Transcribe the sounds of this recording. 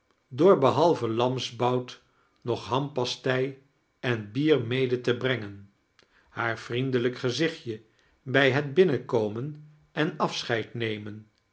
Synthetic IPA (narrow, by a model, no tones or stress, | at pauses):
dʊːɹbəɦɑlˠvəlɑmzbɑwt | nɔχɦɑmpɑstɛj | ɛnbiːɹmejdətəbrɛŋən | haːɹv̥rindələkχəzɪχjə | bɛjɦəd̚bɪnəkowmən | ʔɛnɑfsχɛjtnejmən